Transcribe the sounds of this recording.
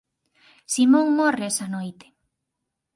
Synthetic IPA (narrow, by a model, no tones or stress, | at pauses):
simõŋmoreesɐnojt̪e̥